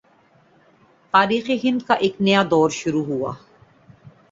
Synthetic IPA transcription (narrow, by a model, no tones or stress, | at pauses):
t̪aːɾiːxeɦɪ̃nd̪̚kaʔeːknejad̪ɔːɾʃʊɾuɦua̰ː